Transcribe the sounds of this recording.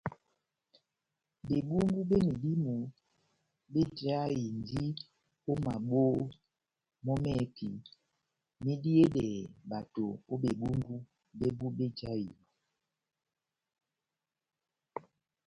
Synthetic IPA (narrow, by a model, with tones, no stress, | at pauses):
be˨bu˦ŋɡu˦be˦mi˨li˦mu˨ | be˦d͡ʒa˦ji˨n˦di˦ | o˦ma˨ɓoː˦ | mɔ˦mɛ˦˨pʰḭ˨ | mi˦di˦e˦dɛ˨ba˨to˨o˦be˨bu˦ŋɡu˦ | be˦bu˦be˦d͡ʒa˦ji˨